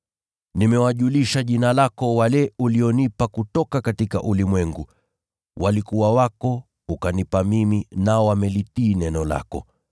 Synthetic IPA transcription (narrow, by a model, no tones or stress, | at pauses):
nimɛwaʄuliʃaʄinalakɔwalɛuliɔnipakutɔkakatika̰ʔulimwɛŋɡu | wʔalikuwawakɔ | ukanipamiminaɔwamɛlitiːnɛnɔla̰kɔ̰